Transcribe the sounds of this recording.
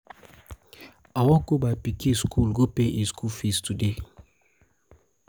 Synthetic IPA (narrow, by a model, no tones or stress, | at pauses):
awɔ̃ɡobapikieskʰulɡopeʔeskulfistude